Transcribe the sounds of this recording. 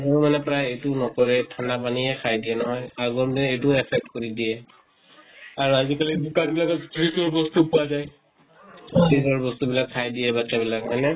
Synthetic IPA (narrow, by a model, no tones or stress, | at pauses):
ɡɔɹmanɛpɹajejtunɔkɔɹɛtʰanapaniɛkʰajdijɛnɔɦɔjaɡɔɹdɛejtuɛpʰɛk̚tkɔɹidijɛ | aɹuazikaliukanbilakɔtʰɹizɔɹbɔstupuwazaj | tʰɹizɔɹbɔstubilakʰːajdiɛbakɛbilakɦɔjnɛ